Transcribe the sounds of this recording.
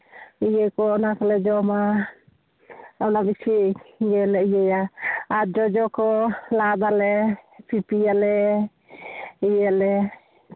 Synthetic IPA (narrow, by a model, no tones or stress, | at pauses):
ijɛkɔnakɔlɛd͡ʒɔma | anabit͡ʃʰiɡɛlɛijɛjaad͡ʒɔd͡ʒɔkɔlad̪alɛpʰipijalɛ | ijɛlɛ